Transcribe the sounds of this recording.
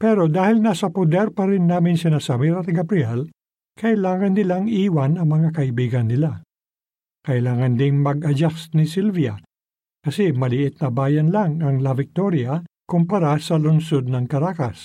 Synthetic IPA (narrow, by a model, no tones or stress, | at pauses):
pɛɾo̞d̪aːhɪlnasɐpod̪ɛɾpɐɾɪnːaːmɪŋsɪnasamiɾɐt̪ɐɡɐbɾɪɛl | kʰɐʔɪlaːŋɐnːɪlaŋiːwɐnɐŋmɐŋakɐʔibiːɡɐnːɪla | kɐʔɪlaːŋɐnd̪ɪŋmɐɡʔɐd͡ʒasnɪsilvijɐ | kɐsɛmɐlɪʔɪt̪̚nɐbaːjɐnlaŋɐŋlɐvɪk̚t̪oɾjɐ | kʊmpɐɾasɐlʊnsod̪̚nɐŋkɐɾaːkɐs